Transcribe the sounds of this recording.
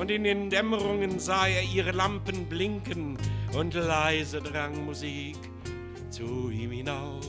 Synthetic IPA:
ʊntɪndeːndɛməʁʊŋənzaːeːɐiːʁəlampənblɪŋkənʊntlaɪzədʁaŋmuziːk | t͡suiːmhɪnaʊ

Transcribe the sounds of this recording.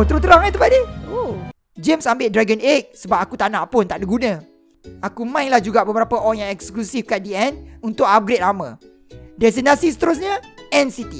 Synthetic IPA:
t̪əɾut̪əɾaŋat̪upadio | d͡ʒemsambɪʔdɾaɡənek̚səbap̚akut̪anãʔpʊnt̪aʔdiɡunə̃ | akumãinlahd͡ʒuɡaʔbəbəɾapəʔɔjãŋɛksklusifkat̪̚diɛnunt̪ʊkap̚ɡɾɪt̪̚lamə̃ | dɛs̬inasisə̥t̪əɾus̬ɲãɛ̃nsit̪i

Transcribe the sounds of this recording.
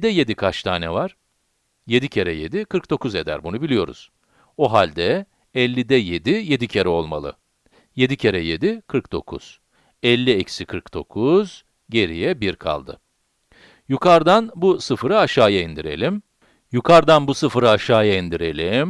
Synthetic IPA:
d̪ɛje̞d̪ikʰat͡ʃt̪ʰaːnʲɛvaɾ̥ | je̞d̪icʰe̞ɾɛje̞d̪ikʰɯɾk̚d̪o̞kuze̞d̪æ̰ɾbunubilʲijo̞ɾṵz̥ | oɦalʲd̪ɛ | ɛlʲːid̪ɛje̞d̪ije̞d̪icʰe̞ɾɛo̞lˠma̰lˠɯ̰ | je̞d̪icʰe̞ɾɛje̞d̪ikʰɯɾkd̪o̞̰kʰṵz̥ | ɛlʲːiecsikʰɯɾkd̪̥o̞̰kʰuz̥ | ɟe̞ɾijɛbiɾkʰa̰lˠd̪ɯ̰ | jukʰaɾd̪anbusɯfɾɯaʃaːjaind̪iɾe̞̰lʲim | jukʰaɾd̪anbusɯfɾɯaʃaːjaind̪iɾe̞lʲim

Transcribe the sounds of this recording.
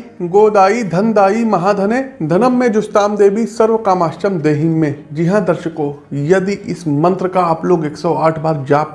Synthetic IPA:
ɡoːd̪aːid̪ʱɐnd̪aːimɐɦaːd̪ʱɐneːd̪ʱɐnəmːẽd͡ʒʊst̪aːmd̪eːbisɐɾʋəkaːmaːʃəmd̪eːɦɪmːẽd͡ʒɪɦãd̪ɐɾʃəko | jɐd̪iʔɪsmɐ̃nt̪ɾəkaaːploːɡeːksɔːaːʈʰbaːɾd͡ʒaːp

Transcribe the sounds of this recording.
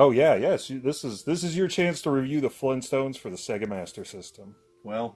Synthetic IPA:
oʊjæjɛsðɪsɨzðɪs̬ɨzjə˞t͡ʃʰæ̃nstʰəɹivjʉðəflɪ̃nstõʊ̃nz̥fə˞ðəsɛɡɨ̃mæstə˞sɪstə̃m | wɛlˠ

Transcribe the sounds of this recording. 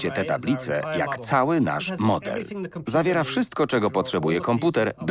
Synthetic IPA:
t͡ɕɛt̪ɛt̪ablʲit̪sɛ̰ja̰kt̪sawɘna̰ʂmɔd̪ɛ̰lzavʲjɛɾafʂɘst̪kɔt͡ʂɛɡɔpɔtʂɛbujɛkɔmput̪ɛɾb

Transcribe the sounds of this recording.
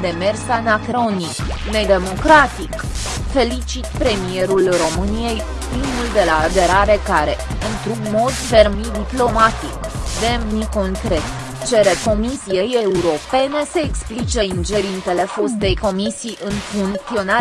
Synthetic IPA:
d̪e̞mersanakɾo̞nikned̪e̞mo̞kɾat̪ik | fe̞lit͡ʃit̪pɾe̞mije̞ɾulro̞mɨnije̞j | pɾimuld̪e̞laːd̪e̞ɾaɾe̞kaɾe̞ | ɨnt̪ɾuɡmo̞d̪fe̞rmmid̪iplo̞mat̪ik | d̪e̞mniko̞ŋkɾe̞t̪ | t͡ʃe̞ɾe̞ko̞misijejeuɾo̞pe̞ne̞se̞ːksplit͡ʃe̞ind͡ʒe̞ɾint̪e̞le̞fo̞st̪e̞jko̞misijʔɨnfuŋt̪io̞na

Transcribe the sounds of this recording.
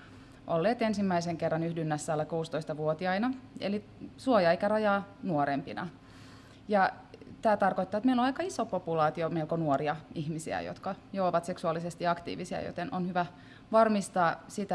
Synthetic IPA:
ʔolːeːt̪ensimːæiseŋkerːɑnyhdynːæsːæːlːækuːst̪oist̪ɑʋuot̪iɑinɑḛli | suojɑeikærɑjɑːnuoɾempinɑ̰ | jɑ | t̪æːt̪ɑrkoit̪ːɑːet̪meiloɑikɑisopopulɑːt̪iomeilkonuoɾiɑihmisḭæ̰jo̰t̪kɑjoɑʋɑt̪se̞ksuɑlːˑisest̪iɑkt̪ḭːʋisiɑ̰jo̰t̪enʔonhyʋæ | ʋɑrmist̪ɑːsit̪æ

